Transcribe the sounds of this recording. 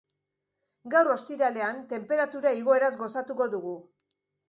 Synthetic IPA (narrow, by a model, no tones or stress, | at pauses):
ɡawɾo̞st̪iɾale̞ant̪e̞mpe̞ɾat̪uɾaiɣo̞e̞ɾazɡo̞sat̪uko̞ðuɣ̞u